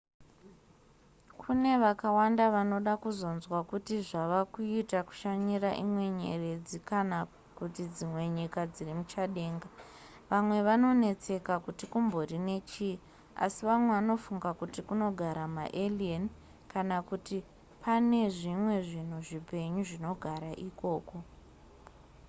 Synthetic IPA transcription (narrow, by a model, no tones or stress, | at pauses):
kʰune̞ʋakawandaʋano̞ɗakuzo̞nzwakutiʐaʋakuitaku̥ʃaɲiraʔimwe̞ɲe̞̰re̞d͡zikana | kutid͡zimwe̞ɲikad͡zirimut͡ʃaɗe̞ːŋɡa | ʋamwe̞ʋano̞ne̞t͡se̞kakutikumbo̞rine̞t͡ʃi | a̰siʋamwe̞ʋano̞fuŋɡakutikuno̞ɡʱaɾama̰ʔelien | kanakuti | pane̞ʐimwe̞ʐin̤uʐipe̞ɲuʐino̞ɡʱaɾaʔiko̞ːko̞